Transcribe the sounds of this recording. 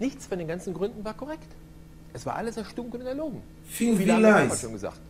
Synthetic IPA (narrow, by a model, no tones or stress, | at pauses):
nɪçt͡sfɔndeːnɡant͡sn̩ɡʁʏndn̩vaːɐkʰɔʁɛkt | ʔɛsv̥aːɐʔaləseːɐʃtʊŋkʊnnɛɐloːɡŋ̩ | fiŋiːvilaɪaʃoːnŋɡəza̰ːχt